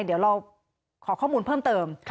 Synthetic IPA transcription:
di˩˦wɾa˧w | kʰɔː˩˦kʰɔː˥˩muː˧npʰɤː˥˩mt̪ɤː˧mʰ

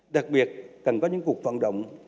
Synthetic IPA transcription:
ɗa˨˩k̚ɓi˨˩ət̚kə˨˩nkɔ˨˦ɲɨ̰˧˥ŋku˨˩ək̚və̰˧˨nɗə̰˧˨wŋ͡m

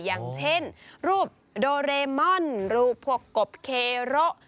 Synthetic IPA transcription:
ja˨˩ŋt͡ɕʰe˥˩˨nɾuː˥˩p̚ | doː˧ɾeː˧mɔ˥˩nɾuː˧˩pʰːu˧˩əkːo˨˩p̚kʰeː˧ɾo˦˥ʔ

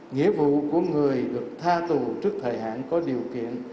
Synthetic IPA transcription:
ŋḭ˧˥əvṵ˧˨ku˧˩əŋɨ˨˩əjɗɨ˨˩ək̚t̪ʰaː˧t̪u˨˩t͡ɕɨ˦˥ək̚t̪ʰəː˨˩jɦa̰ː˧˨nkɔ˨˦ɗi˨˩əwkḭ˧˨ən

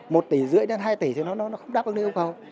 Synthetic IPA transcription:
mo˨˩t̚t̪i˨˩˦zɨ̰˧˨əjna˧nɦaː˧jt̪i˨˩t̪ʰjnɔ˨˦nɔ˨˦nɔ˨˦xə˧wŋ͡mɗaː˨˦p̚ʔn˧˦˧wkə˧˩w

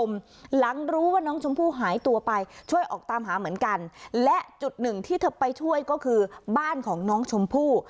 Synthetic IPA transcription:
m | la˩˦ŋɾuː˦˥waː˥˩nɔː˦˥ŋt͡ɕʰo˧mpʰuː˥˩ɦaː˩˦jt̪u˧ɐpa˧jt͡ɕʰu˥˩əjʔɔ̰ː˨˩k̚t̪aː˧mɦaː˩˦mɯ˩˦ənka˧nlɛ˦˥ʔt͡ɕu˨˩t̪̚nɯ˨˩ŋt̪ʰiː˥˩t̪ʰɤ˦˥˩pːa˧jt͡ɕʰu˥˩əjkɔː˥˩kʰɯː˧baː˥˩nkʰɔː˩˦ŋnɔː˦˥ŋt͡ɕʰo˧mpʰuː˥˩

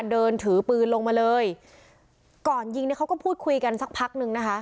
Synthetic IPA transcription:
dɤː˧nt̪ʰɯː˩˦pɯː˧nlo˧ŋmaː˧lɤː˧j | kɔː˨˩nji˧ŋni˥˩kʰa˦˥wkɔː˥˩pʰuː˥˩t̪̚kʰu˧jka˧nsa˦k̚pʰa˦˥k̚nɯ˧ŋna˦˥kʰa˦˥ʔ

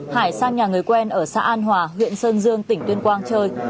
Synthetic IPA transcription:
haː˧˩jsaː˧ŋɲaː˨˩ŋɨ˨˩əjkwɛ˧nʔəː˧˩sa̰ː˧˥ʔaː˧nɦwaː˨˩hwḭ˧˨ənsəː˧nzɨ˧əŋt̪ï˧˩ŋ̟t̪wi˧ənkwaː˧ŋt͡ɕəː˧j

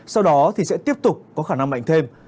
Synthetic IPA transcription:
sa˧wɗɔ˨˦t̪ʰi˨˩sɛ̰˧˥t̪i˦˥əp̚t̪ʊ˨˩k͡p̚kɔ˨˦xaː˧˩na˧ŋɓa̰˧˨jŋ̟t̪ʰe˧m

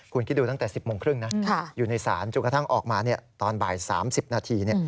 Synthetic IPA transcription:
kʰu˧nki˦˥duː˧t̪a˥˩ŋt̪ɛː˨˩si˨˩p̚moː˧ŋkʰɾɯ˥˩ŋna˦˥kʰa˥˩juː˨˩na˧jsaː˩˦nt͡ɕo˧nka˧t̪ʰa˥˩ŋʔɔː˨˩k̚maː˧ni˥˩ɐt̪ɔː˧nbaː˨˩jsa̰ː˩˦msi˨˩p̚naː˧t̪ʰiː˧ni˥˩

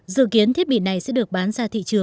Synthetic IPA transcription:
zɨ̰˧˨ki˨˦ənt̪ʰi˦˥ət̚ɓḭ˧˨na˨˩jsɛ̰˧˥ɗɨ˨˩ə˩k̚ɓaː˨˦nzaː˧t̪ʰḭ˧˨t͡ɕɨ˨˩əŋ

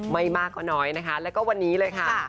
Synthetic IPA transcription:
ma˧jmaː˥˩kːa˧˩nɔː˦˥jna˦˥kʰa˦˥lɛː˦˥wkɔː˥˩wa˧nːiː˦˥lɤː˧jkʰa˥˩˥

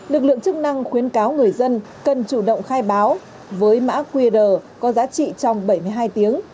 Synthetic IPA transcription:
lɨ˨˩k̚lɨ̰˧˨əŋt͡ɕɨ˦˥k̚na˧ŋxwi˨˦ənkaː˨˦wŋɨ˨˩əjzə˧n | kə˨˩nt͡ɕu˧˩ɗə̰˧˨wŋ͡mxaː˧jɓaː˨˦w | vəː˨˦jma̰ː˧˥kwi˧ɗəː˨˩kɔ˨˦zaː˨˦t͡ɕḭ˧˨t͡ɕɔ˧wŋ͡mɓə˧˩jmɨ˧jɦaː˧jt̪i˨˦əŋ

